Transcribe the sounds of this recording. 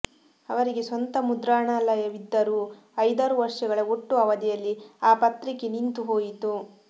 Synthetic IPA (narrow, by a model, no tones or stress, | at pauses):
ɐʋɐɾiɡe̞sʋɐnt̪ɐmud̪ɾaːɳaːlɐjɐʋid̪ːɐɾuː | ɐjd̪aːɾuʋɐɾʂɐɡɐɭɐoʈːuɐʋɐd̪ijɐlːiaːpɐt̪ɾikenint̪uɦo̞ːjit̪u